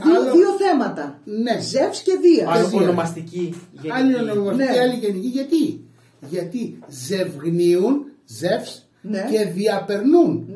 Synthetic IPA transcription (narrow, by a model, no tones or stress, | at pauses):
ðiolðioθe̞mɐt̪ɐne̞zefsceðiɐɐlonomɐst̪iciɐliononomɐsiiiɐliʝe̞niciʝɐt̪i | ʝɐt̪ize̞vɣniunze̞fs | nce̞ðiɐpe̞ɾnun